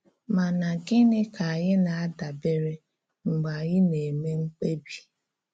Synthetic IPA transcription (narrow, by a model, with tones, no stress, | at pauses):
ma˨na˨ɡɪ˦nɪ˦ka˨a˨ɣɪ˦na˨a˦da˨be˦ɾe˦ | ŋ͡m̩˨ɡ͡ba˨ɣɪ˦ne˨me˦ŋ͡m̩˦k͡pe˦bi˦